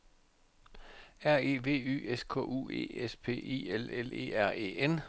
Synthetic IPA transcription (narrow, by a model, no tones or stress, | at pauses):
æɐ̰e̝̰ːʋe̝̰ːy̰ːeskʰɔ̰̽ːʔṵːe̝̰ːespʰe̝̰ːe̝̰ːelele̝̰ːæɐ̰e̝̰ːen